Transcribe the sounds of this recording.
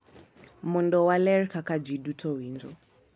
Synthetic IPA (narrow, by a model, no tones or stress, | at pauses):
mundɔwalɛrkakad͡ʒidutʰɔwiːnd͡ʒɔ